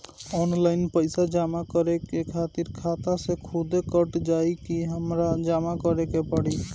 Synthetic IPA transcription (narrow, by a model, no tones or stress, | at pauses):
ɔnlainpəjsad͡ʒamakəɾekekʰat̪iɾkʰat̪asekʰud̪ekəʈd͡ʒajkiɦəmɾad͡ʒamakəɾekepəɽi